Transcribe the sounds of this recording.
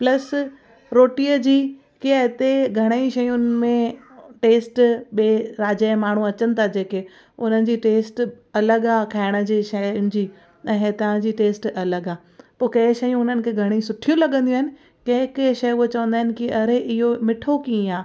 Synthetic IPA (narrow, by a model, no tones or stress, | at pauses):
plɐs | ɾoːʈijəd͡ʑiː | kiaɦɪt̪eɡʱɐɽ̃eiʃɐjʊnɪ̆mẽ | ʈeːsʈɓeːɾaːd͡ʑaːɪmaːɳ̤ũɐt͡ɕənɪ̆t̪ʰad͡ʑeːke | ʊn̤ənɪ̆d͡ʑiːʈeːsʈ | ɐləɡaːkʰaːɪɽ̃ə̆d͡ʑiːʃɐjʊnɪ̆d͡ʑiː | ɛ̃ɦet̪ɐɦə̃d͡ʑiːʈeːsʈɐləɡaː | poːkɐɪʃɐjũʊn̤ənɪ̆kʰeɡʱɐɽ̃isʊʈʰijũlɐɠə̃nd̪ijũaɦɪnɪ̆ | kɐ̃ɦkɐʃɐjuet͡ɕɐʋə̃nd̪aːɦɪnɪ̆kiʔɐɾeʔɪɦomɪʈʰokĩːaː